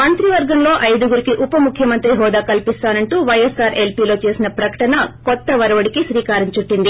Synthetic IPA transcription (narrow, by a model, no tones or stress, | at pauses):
mɐnt̪ɾiʋɐɾɡɐmlo̞ːʔɐjd̪uɡuɾikiʔupɐmukʰjɐmɐnt̪ɾiɦɔːd̪aːkɐlpist̪aːnɐɳʈuːʋɐjesaːɾe̞lpiːlo̞ːt͡ʃe̞ːsinɐpɾɐkɐ̥ʈɐnɐkɔt̪ːɐʋɐɾɐʋɐɽikisɾiːkaːɾiɲt͡ʃuʈːind̪i